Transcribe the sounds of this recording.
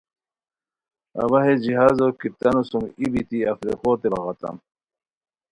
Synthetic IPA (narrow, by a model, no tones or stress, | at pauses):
ɐ̰βɐɦed͡ʑiɦaːzokit̪ɐnusumibit̪iɐfɾḛxot̪ebɑɣɑt̪ɐ̰m